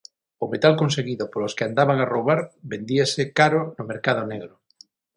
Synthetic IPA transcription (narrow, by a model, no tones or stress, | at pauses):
ʊmet̪alkonseɣiðʊpoloskɪand̪aβaŋarowβaɾbend̪iasɪkaɾʊnʊmeɾkaðʊneɣɾʊ